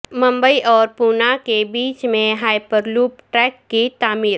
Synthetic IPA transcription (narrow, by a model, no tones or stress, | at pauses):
mə̃mbəiʔɔːɾpuːnakebiːt͡ʃmẽɦaːɪpəɾluːpʈɾɛːkːit̪aːmiːɾ